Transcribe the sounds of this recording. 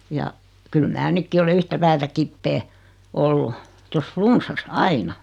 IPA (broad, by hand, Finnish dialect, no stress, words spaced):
jɑ kyl mæː nykːi ole yhtæ pæːtæ kipːeː olːu tos flunsːɑs ɑinɑ